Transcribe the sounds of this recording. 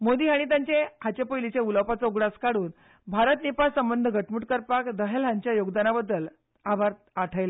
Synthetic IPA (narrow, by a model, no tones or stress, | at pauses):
mod̪iːɦaɽ̃it̪̬jãɲt͡ɕehat͡ɕepojlit͡ɕeuləwpat͡saoɡɽaskaɽuːn | bʱaɾət̪nipasəmbənd̪ʱəɡʱəʈmuʈkəɾpakd̪əɦalɦaɲt͡ɕjajoɡd̪anabəd̪ːəl | abʱaɾt̪ | aʈʰajla